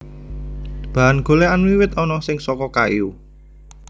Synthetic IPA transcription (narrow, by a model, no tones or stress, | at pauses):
b̥a̤ʔanɡ̥o̤leanwiwɪt̪ɔnɔsɪŋsɔkɔka̰ju